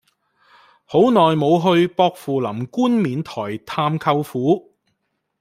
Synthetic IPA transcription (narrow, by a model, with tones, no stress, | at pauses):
ho˨˥wnɔː˨jmo˨˧wɦɵ˧ɥpɔː˧k̚fuː˨lɐ˨˩mkuː˥nmiː˨˧nt̪ʰɔː˨˩jt̪ʰaː˧mkʰɐ˧wfuː˨˥